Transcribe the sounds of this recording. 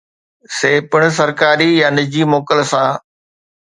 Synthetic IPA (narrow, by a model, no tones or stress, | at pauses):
seːpəɽ̃s̬ɐɾkaːɾijanɪd͡ʑiːmoːkəlsãː